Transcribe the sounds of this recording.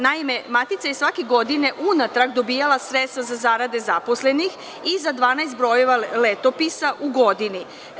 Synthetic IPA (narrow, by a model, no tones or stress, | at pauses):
naime̞mat̪it̪sajesʋakeɡo̞d̪ine̞ʔunat̪ɾaɡd̪o̞bijalˠasɾetst̪azazaːɾad̪e̞zapo̞sle̞nix | izad̪ʋaːnajst̪̚bɾo̞jeʋalet̪o̞pisaʔuɡo̞d̪ini